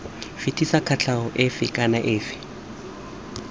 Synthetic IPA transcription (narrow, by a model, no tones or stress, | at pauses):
fɪtʰʼisakʰat͡ɬʰaɦʊʔɪfɪkʼanaʔɪːfɪ̥